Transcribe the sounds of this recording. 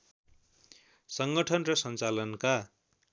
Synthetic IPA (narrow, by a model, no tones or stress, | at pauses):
sʌŋɡʌʈʰʌnrʌsʌnt͡salʌnka